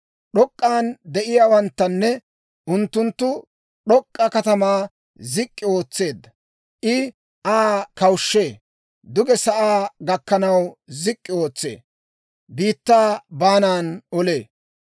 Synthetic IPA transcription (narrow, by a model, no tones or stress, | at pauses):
ɗɔkʼːaːnd̪ɛʔɪjaːwɐnt̪ːɐnːɛ | ʔʊnt̪ːʊnt̪ːʊ | ɗɔkʼːɐkɐt̪ɐmaː | zɪkʼːɪo̞ːt͡sːe̞ːd̪ːɐ | ʔɪ | ʔaːkɐwʃːe̞ː | d̪ʊɡɛsɐʔaːɡɐkːɐnɐwzɪkʼːɪo̞ːt͡sːe̞̰ː | biːt̪ːaːbaːnaːnɔle̞ː